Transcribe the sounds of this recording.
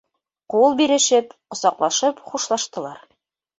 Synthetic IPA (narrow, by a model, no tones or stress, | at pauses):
qulˠbiɾɘ̆ʃɘpqŏsɑqlˠɑʃɤpχuʃlˠɑʃt̪ɤ̆lˠɑɾ